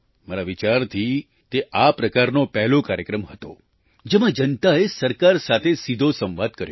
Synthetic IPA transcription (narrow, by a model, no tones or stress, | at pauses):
maɾaʋit͡ʃaɾt̪ʰi | t̪eʔapɾəkaɾnopɛɦlokaɾjəkɾəmɦət̪o | d͡ʒemãd͡ʒənt̪aesəɾkaɾsat̪ʰesid̪ʱosə̃mʋad̪̚kəɾjo